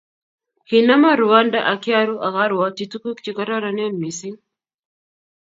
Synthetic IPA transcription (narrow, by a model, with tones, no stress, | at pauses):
hi˨na˦ma˦ɾu˨wa˦nda˦ʔa˨kja˦ɾu˦ʔa˨ɣa˦ɾwa˦ti˨tu˦ku˦kt͡ʃi˨ka˦ɾa˦ɾa˨ne˦nmi˨si˦ŋ